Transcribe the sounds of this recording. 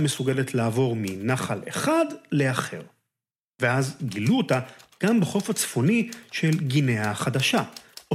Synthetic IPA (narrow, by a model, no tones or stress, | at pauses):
me̞suɡe̞le̞tʰlaːvo̞ʁminaχale̞̰χadle̞aχe̞̰ʁ | ve̞azɡiluotaɡ̥ambeχo̞fat͡sfo̞niʃe̞lɡineaχadaʃao